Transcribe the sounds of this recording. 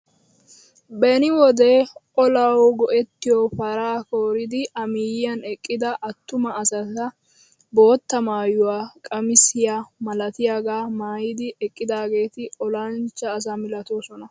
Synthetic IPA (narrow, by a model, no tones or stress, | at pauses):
bɛnɪwɔd̪ɛʔɔlɐwɡɔʔɛt̪ːɪjɔpɐɾaːko̞ːɾɪd̪ɪʔɐmiːjɪjɐnɛkʼːɪd̪ɐʔɐt̪ːʊmɐːsɐt̪ɐ | bo̞ːt̪ːɐmaːjʊwaːkʼɐmɪsɪjaːmɐlɐt̪ɪjaɡaːmaːjɪd̪ɪʔɛkʼːɪd̪aːɡe̞ːt̪ɪɔlɐnt͡ʃːɐːs̬amɪlɐt̪oːsɔnɐ